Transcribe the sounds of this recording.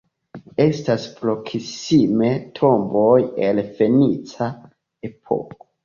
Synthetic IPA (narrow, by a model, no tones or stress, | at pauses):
e̞staspɾo̞kʰisime̞tʰo̞mbo̞jelfe̞nit͡sa | e̞pʰo̞̰ko